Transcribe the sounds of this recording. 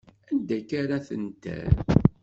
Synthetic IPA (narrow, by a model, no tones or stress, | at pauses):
ænd̪ækaɾaθənt̪æ̰